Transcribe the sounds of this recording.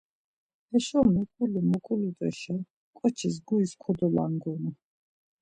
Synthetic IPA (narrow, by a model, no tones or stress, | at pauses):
hɛʃɔmɛkʼulimɔkʼulit̪ʼɛ̰ʃa | kʼɔt͡ʃʰis̬ɡuiskʰɔd̪ɔla̰ŋɡɔnɔ